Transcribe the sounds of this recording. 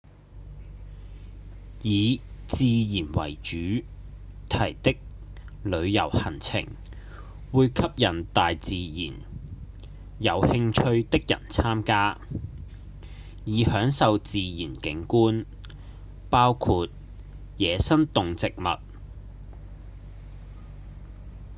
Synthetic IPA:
jiː˨˧t͡siː˨˧jiː˨˩nwɐ̰˨˩jt͡ʃyː˨˥ | t̪ʰɐ˨˩jt̪ɪ˥k̚ | lɵ˨˧ɥjɐ˨˩whɐ˨˩nt͡sʰɪ̰˨˩ŋ | wuː˨˧jkʰɐ˥p̚jɐ˨˩nt̪aː˨jt͡siː˨˧jiː˨˩n | jɐ˨˧whɪ˧ŋt͡ʃʰɵ˧ɥt̪ɪ˥k̚jɐ̰˨˩nt͡sʰaː˥mkaː˥ | jiː˨˧hœː˨˥ŋsɐ˨wt͡siː˨˧jiː˨˩nkɪ˨˥ŋkuː˥n | paː˥wkʰu˧t̚ | jɛː˨˧sɐ˥nt̪ʊ˨ŋt͡sɪ˨k̚mɐ̰˨t̚

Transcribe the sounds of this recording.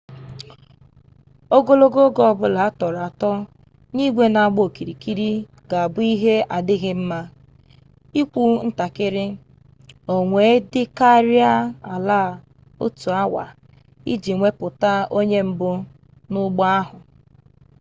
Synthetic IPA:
o˦ɡo˦lo˦ɡo˦ɡɔ˦ɔ˦˨bʊ˦la˨a˦tɔ˨ɾa˨tɔ˦ | ni˦ɡʷe˦na˨ɡ͡bo˦˨ki˨ɾi˨ki˦ɾi˦ | ɡa˨a˨bʊ˦i˦ɦe˦a˨dɪ˦ɣɪ˦m̩˦ma˦ | i˦kʷu˦n̩˦ta˨kɪ˦ɾɪ˦ | o˨ŋʷe˨˦dɪ˦ka˦ɾi˦a˦a˨la˦˨ | o̰˦tu˨a˦wa̰˨ | ḭ˦d͡ʒi˨ŋʷe˦pʊ˨ta˦o˦ɲe˦m̩˦bʊ˦ | nʊ˦ɡ͡bɔ˦a˦ɦʊ˨

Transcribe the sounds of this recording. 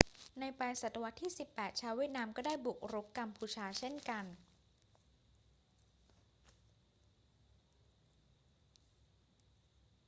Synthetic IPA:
na˧jpɛː˧jsa˨˩t̪ːa˧wa˦˥t̪ʰːiː˥˩si˨˩pːɛː˨˩t̪̚t͡ɕʰaː˦˥wiː˥˩ət̪̚naː˧mkɔː˥˩daː˥˩jbu˨˩k̚ɾo˦˥kːa˧mpʰuː˧t͡ɕʰaː˧t͡ɕʰe˥˩nka˧n

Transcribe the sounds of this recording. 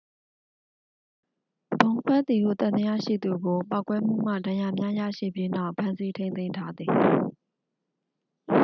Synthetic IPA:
b̥õ˨ʊ̃ŋkʰwɛ˦ʔt̪i˨ɡṵ˦˨t̪ã˨d̪ə˦ja̰˦˨ʃḭ˦˨d̪u˨ɡo˨pa˦ʊkwɛ˦m̥ṵ˦˨m̥ä̰˦˨dã˨ja˨mja˦ja̰˦˨ʃḭ˦˨bji˦na˦˨ʊpʰã˦nsi˦tʰẽ˦ɪ̃nẽ˦˨ɪ̃ntʰa˦d̪ði˨

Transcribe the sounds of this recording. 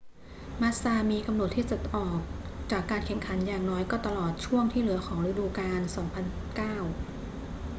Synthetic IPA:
maː˦˥saː˧miː˧ka˧mno˨˩t̪ʰiː˥˩ta˨˩t̪̚ʔɔː˨˩k̚t͡ɕaː˨˩kːaː˧nkʰe˨˩mkʰa˩˦njaː˨˩ŋnɔː˦˥jkɔː˥˩t̪a˧lɔː˨˩t̪̚t͡ɕʰu˥˩əŋt̪ʰiː˥˩lɯ˩˦ɐxʰɔː˩˦ŋɾa˧duː˧kaː˧nsɔː˩˦ŋpʰa˧n | kaː˥˩w

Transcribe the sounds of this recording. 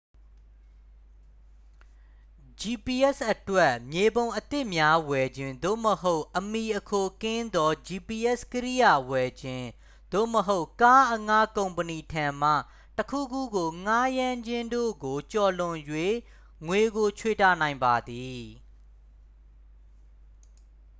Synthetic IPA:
d͡ʑi˨pi˨ʔɛ˦˨sʔətwɛ˦ʔmje˨bõ˨ʊ̃ʔət̪ɪ˦ʔmja˦wɛ˨d͡ʑɪ̃˦nd̪o̰˦˨məɦo˦ʊʔʔəmi˨ʔəkʰo˨kɪ̃˦nd̪ɔ˦d͡ʑi˨pi˨ʔɛ˦˨skəɹḭ˦˨ja˦˨wɛ˨d͡ʑɪ̃˦ | d̪̥o̰˦˨məɦo˦ʊ˨ʔka˦ʔəŋa˦kõ˨ʊ̃mpəni˨tʰã˨m̥ä̰˦˨ | təkʰṵ˦˨ɡu˦˨ɡo˨ŋa˦jã˦ɲd͡ʑɪ̃˦ndo̰˦˨ɡo˨t͡ɕɔ˨lʊ̃˨jwe˦˨ | ŋwe˨ɡo˨t͡ɕʰwe˦˨ta̰˦˨nã˨ɪ̃mba˨d̪i˨

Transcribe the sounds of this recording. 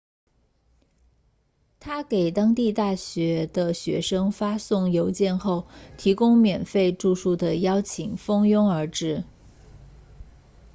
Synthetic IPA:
t̪ʰa˥ke˨˩ɪt̪ɑ˥ŋt̪i˥˧t̪a˥˩ɕɥɛ˧˥d̪̥ə˧ɕɥɛ̰˧˥ʂɤ˥ŋfa˥sʊ˥˩ŋjo˧˥ʊt͡ɕjɛ˥˧nxo˥˩ʊt̪ʰi˧˥kʊ˥ŋmjɛ˨˩nfe˥˧ɪʈ͡ʂu˥˧ʂu˥˩d̪ə˩jɑ˥ʊt͡ɕʰi˨˩ŋfɤ˥ŋjʊ˥ŋə˞˧˥ʈ͡ʂɻ̩˥˩

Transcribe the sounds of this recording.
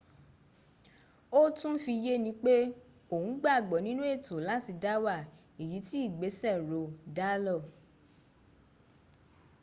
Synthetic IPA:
o˦tũ˦fi˧je˦nĩ˧˦k͡pe˦ | o˨hũ˨˦ɡ͡ba˦˨ɡ͡bɔ˨nĩ˦nũ˦e˦˨to˨˦la˨˦ti˧da˦wa˦˨ | i˨ji˨˦ti˦i˦˨ɡ͡be˨˦sɛ˦˨ɾo˨˧da˦lɔ˦˨

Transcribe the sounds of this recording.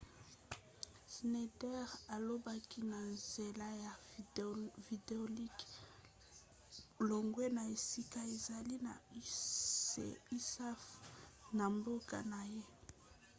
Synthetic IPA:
se˨ne˨tɛ˦ʁa˨lo˦ba˦ki˦na˨nze˨la˦ja˨ | vi˨de˨o˨li˦k | lo˨ŋɡwe˦na˨e˨si˦ka˦e˨za˨li˦na̰˨˦ | ḛ˨i˦sa˦fna˨mbo˦ka̰˨na˨je˦

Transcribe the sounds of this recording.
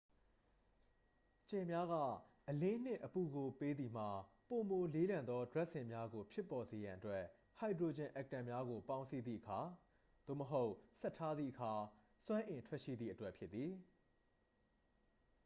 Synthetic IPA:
t͡ɕẽ˨mja˦ɣä̰˦˨ʔəlɪ̃˦n̥ɪ̰̃˦˨ʔəpu˨ɡo˨pe˦d̪i˨m̥a˨ | po˨mo˨le˦lã˨nd̪ɔ˦dwɛ˦ʔsɪ̃˨mja˦ɡo˨pʰjɪ˦pːɔ˨ze˨jã˨ʔətwɛ˦ʔ | ha˨ɪdɹo˨d͡ʑɪ̃˨ʔɛ˦˨k̚tã˨mja˦ɣo˨pã˦ʊ̃nsi˦d̪ðḭ˦ʔəkʰa˨ | d̪̥o̰˦˨məɦo˦ʊʔsɛ˦ʔtʰːa˦d̪ðḭ˦˨ʔəkʰa˨ | sw̃ã˦ʔɪ̃˨ntʰwɛ˦ʔʃḭ˦˨d̪ðḭ˦˨ʔətwɛ˦ʔpʰjɪ˦t̪ːi˨

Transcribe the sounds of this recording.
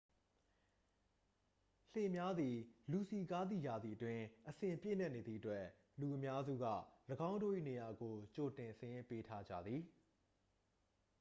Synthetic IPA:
le˨mja˦d̪i˨lu˨si˨ka˦d̪ðḭ˦˨ja˨d̪ði˨ʔətwɪ̃˦ʔəsɪ̃˨mpjḛ˦˨n̥ɛ˦ʔne˨d̪ðḭ˦ʔətwɛ˦ | lu˨ʔəmja˦zṵ˦˨ɡa̰˦˨ləɡã˦ʊ̃ndo̰˦˨ʔḭ˦˨ne˨ja˨ɡo˨t͡ɕo˨tɪ̃˨səjɪ̃˦mpe˦tʰa˦d͡ʑä̰˦˨d̪ði˨

